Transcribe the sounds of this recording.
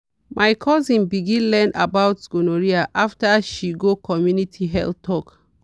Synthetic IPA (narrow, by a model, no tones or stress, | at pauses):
majkʰɔzĩnbiɡĩnlɛ̃nda̰bawtɡ̥onoɹiaʔaftaʃiɡokʰɔmjunitʰiɦɛ̰ltʰɔk